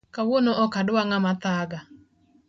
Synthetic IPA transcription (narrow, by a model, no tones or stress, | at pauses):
kawonɔʔɔkadʊwaŋamat̪aɡa